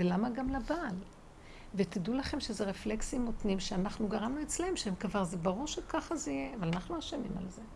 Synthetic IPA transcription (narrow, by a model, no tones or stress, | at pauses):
elamaɡamlabaːl | vet̪id̪ulaχe̞mʃezeʁefleksimːot̪nimʃeanaχnuɡaʁamnuet͡slehemʃeemkvaʁzebaʁuʁʃekaχazeijeavalanaχnuaʃamḭma̰lze